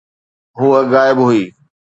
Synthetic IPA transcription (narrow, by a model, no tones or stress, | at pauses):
ɦuːəɣaːɪbɦuiː